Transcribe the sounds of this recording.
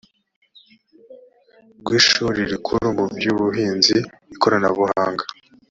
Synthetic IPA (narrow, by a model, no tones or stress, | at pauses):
ɡwiːʃuɾiɾikʰuɾumubjuːβuɦiːnzii | ikʰoɾanaβuhaːŋɡa